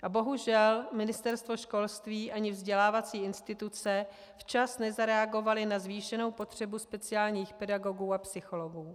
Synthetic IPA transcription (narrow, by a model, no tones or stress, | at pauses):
ʔabo̞ɦuʒɛlmɪnɪst̪ɛɾst̪vo̞ʃko̞lst̪viːʔaɲɪvzɟɛlaːvat͡siːɪnst̪ɪt̪ut͡sɛ | ft͡ʃasnɛzaɾɛaɡo̞valɪnazviːʃɛno̞wpo̞t̪r̝̥ɛbuspɛt͡sɪaːlɲiːxpɛdaɡo̞ɡuːapsɪxo̞lo̞ɡuː